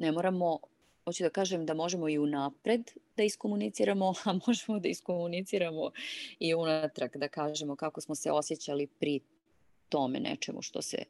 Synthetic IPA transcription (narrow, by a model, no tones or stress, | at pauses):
nemoɾamo | mot͡ɕid̪akaːʒemd̪amoʒe̞mo̞iunapɾe̞d̪d̪aiskomunit̪siɾamo̞amoʒemod̪aiskomunit̪siɾamoiunat̪ɾaɡd̪akaːʒe̞mokako̞smosḛo̞sjet͡ɕalipɾi | t̪o̞mḛnɛ̰t͡ʃemṵʃt̪o̰sḛ